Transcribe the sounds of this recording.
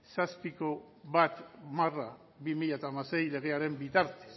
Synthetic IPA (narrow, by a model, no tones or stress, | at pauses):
saspiko̞ | βat̪mara | βimiʎat̪amase̞jle̞ɣe̞aɾe̞mbit̪aɾt̪e̥s